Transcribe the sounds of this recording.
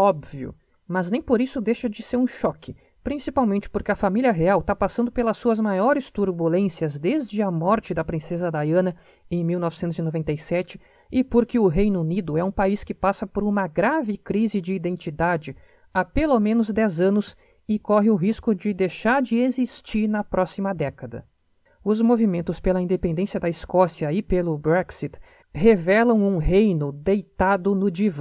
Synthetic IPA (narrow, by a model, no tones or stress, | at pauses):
ɔbviʊ̰ | mɐznẽj̃poɾisʊd̪ejʃɐd͡ʒɪseɾũʃɔkɪ | pɾĩsipawmẽnt͡ʃɪ̥poɾkɪɐfamilʲiɐɦeawt̪apasɐ̃nd̪ʊpelɐsːuɐzmajɔɾɪst̪uɾbulẽsjɐzd̪ezd͡ʒɪɐmɔɾt͡ʃɪd̪ɐpɾĩsezɐd̪ajɐ̃nɐ | ẽj̃miwnɔvɪsẽnt̪ʊzinovẽnt̪ejsɛt͡ʃɪ̥ | ɪpoɾkɪʊɦejnʊunid̪ʊɛũpaiskɪpasɐpoɾũmɐɡɾavɪkɾizɪd͡ʒɪːd̪ẽnt͡ʃid̪ad͡ʒɪ | apelomẽnʊzd̪ɛzɐ̃nʊs | ɪkɔɦɪʊɦiskʊd͡ʒɪd̪ejʃaɾd͡ʒɪezist͡ʃiɾnɐpɾʔɔsimɐd̪ɛkɐd̪ɐ̰ | ʊzmovimẽnt̪ʊspelɐĩnd̪epẽnd̪ẽsijɐd̪ɐɪskɔsjɐɪpelʊbɾɛksit̪ | hevɛlɐ̃w̃ũɦejnʊd̪ejt̪ad̪ʊnʊd͡ʒiv